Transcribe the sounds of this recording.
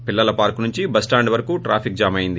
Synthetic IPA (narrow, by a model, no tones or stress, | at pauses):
pilːɐlɐpaːɾkunuɲt͡ʃibɐsʈaːɳɖʋɐɾɐkuːʈɾaːpʰikd͡ʒaːmɐjind̪i